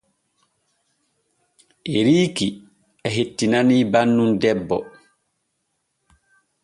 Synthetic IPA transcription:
ʔɛɾiːki | ɛɦetːinaniːbanːundɛbːɔ

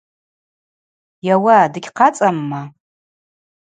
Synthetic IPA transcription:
jawadɨɡʲqʰat͡sʼamːa

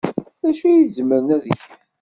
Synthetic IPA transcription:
ðæʃujizməɾnæðəçæ

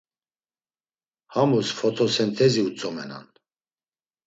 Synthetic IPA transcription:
hamusfɔt̪ʰɔsɛnt̪ʰɛziut͡sʼɔmɛna̰n

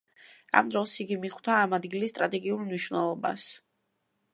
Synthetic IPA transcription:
a̰md̪ɾɔlˠsiɡimiχwt̪ʰaːmad̪ɡilist̪ʼɾat̪ʼɛɡiuɾmniʃvnɛlˠɔba̰s

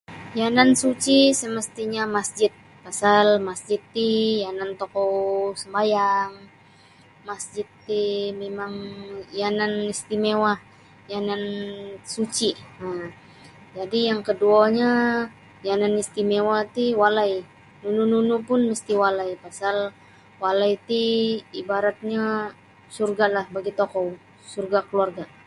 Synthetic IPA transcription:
janansut͡ʃisəməst̪iɲamasd͡ʒɪt̪̚ | pasalmasd͡ʒɪt̪ːijanant̪okɔwsəmbajaŋ | masd͡ʒɪt̪ːimemaŋjananist̪imewa | janansut͡ʃia | d͡ʒadijaŋkəduaɲa | jananist̪imewat̪iwalaj | nunununupʊnməst̪iwalajpasal | walajt̪iibaɾat̪̚ɲa | surɡalahbaɡit̪ɔkɔw | surɡakəluarɡa

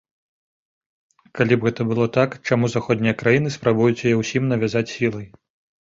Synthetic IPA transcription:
kalʲibɣɛt̪ɐbɨlˠɔt̪akt͡ʂamuzaxɔd̪ʲnʲijɐkɾajinɨspɾabujut͡sʲjjɛwsʲimnɐvʲazat͡sʲsʲilˠɐj

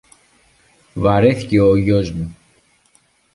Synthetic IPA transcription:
vɐɾeθiceoʝozmu

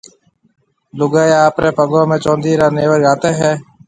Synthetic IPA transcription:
lʊɡaːjaːpɾeːpəɡõːmẽːt͡ʃõːnd̪iːɾaːneːʋəɾɡaːt̪eːɦɛː

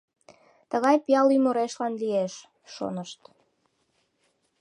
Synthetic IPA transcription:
t̪əɣɑjpiɑlymoɾeʃlɑnlieʃ | ʃo̰nəʃt̪

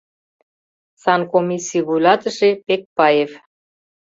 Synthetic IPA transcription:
sɑnkomisʲijβujlɑt̪əʃepek̚pɑjef

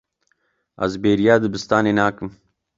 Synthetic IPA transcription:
ɐ̰zbeːɾijaːd̪ɨbɨst̪aːneːnaːkɨm

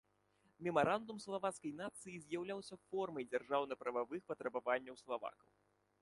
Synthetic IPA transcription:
mʲɛmaɾand̪umslˠavat̪skɐjnat̪sɨjizʲjawlʲawsʲɐfɔrmɐjd͡zʲarʐawnɐpɾɐvavɨxpɐt̪ɾɐbavanʲːɐwslˠava̰kɐw

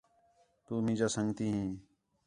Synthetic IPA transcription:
t̪uːmĩːd͡ʒaːsəŋɡt̪iːɦĩː

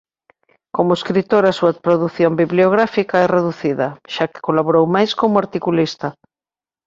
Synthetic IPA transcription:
komʊeskɾit̪oɾasuɐpɾoðuθjombiβleoɣ̞ɾafikɐɛreðuθiðɐʃakɪ̥kolaβoɾowmajskomʊaɾt̪ikulist̪ɐ

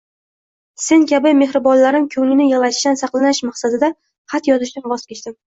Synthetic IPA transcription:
se̞nkʲʰabɪme̞hɾɪbɒnlaɾɪmkʲʰɵŋɪnɪjalˠaʃɪ̥ʃt̪ansɑqlˠanɪʃmɑχsad̪ɪd̪a | χɑt̪jɒzɪʃd̪anvɒz̥kʲʰet͡ʃt̪ɪm

